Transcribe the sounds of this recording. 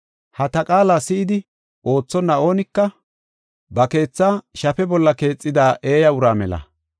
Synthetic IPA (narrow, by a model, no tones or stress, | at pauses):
hɐt̪ɐkʼaːlaːsɪʔɪd̪ɪ | ʔo̞ːt͡sːɔnːɐo̞ːnɪkːɐ | bɐke̞ːt͡sːaːʃɐfɛbɔlːɐke̞ːt͡sʼːɪd̪aːʔe̞ːjɐʊɾaːmɛ̰lɐ̰